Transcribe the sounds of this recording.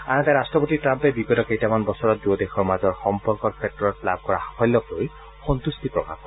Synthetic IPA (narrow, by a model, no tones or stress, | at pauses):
añnt̪aɾastɹɔpɔtiʈɾampebiɡɔtɔkejtamanbɔsɔɹɔt̪̚duɔd̪exʰɔɹmazɔɹxɔmpɔɹkɔkʰetːɔɹɔt̚lab̚ʱkɔɹakʰɔlːɔkloj | xɔnt̪ust̪ipɹɔka̰p̚kɔ